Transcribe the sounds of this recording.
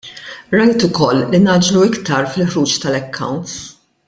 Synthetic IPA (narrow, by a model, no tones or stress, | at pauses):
ɾɐjt̪ʊkɔlːinɐːd͡ʒluɪkt̪ɐɾfɪlħɾuːt͡ʃt̪ɐlɛkːɐ̰wnt̪s